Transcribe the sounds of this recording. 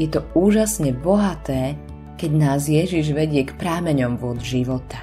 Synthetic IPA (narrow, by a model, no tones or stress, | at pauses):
jɛt̪ɔuːʒasɲɛbɔɦat̪ɛː | kɛɟnaːzjɛʒiʒʋɛɟɪɛkpɾaːmɛɲɔmʋʊɔdʒiʋɔt̪ḁ